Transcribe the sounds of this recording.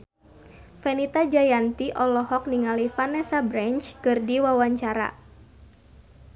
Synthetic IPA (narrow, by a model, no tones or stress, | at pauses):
fɛnit̪ad͡ʒajant̪iʔɔlɔɦɔk̚niŋalifanɛsabɾant͡ʃkɨrdiwawaɲt͡ʃaɾa̰